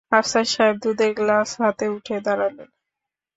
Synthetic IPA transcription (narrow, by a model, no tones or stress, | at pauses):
ɦapsaʃaeb̚d̪ud̪eɾɡlasɦat̪euʈʰed̪aɾalen